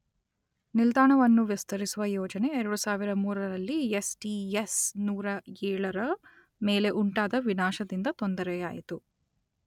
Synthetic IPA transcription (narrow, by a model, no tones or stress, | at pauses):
nild̪aːɳɐʋɐnːuʋist̪ɐɾisuʋɐjɔːd͡ʒɐne̞ɛɾɐɽusaːʋiɾɐmuːɾɐɾɐlːiesʈiesnuːɾɐɛːɭɐɾɐ | meːle̞ʔuɳʈaːd̪ɐʋinaːʃɐd̪ind̪ɐt̪ond̪ɐɾɛjaːjit̪u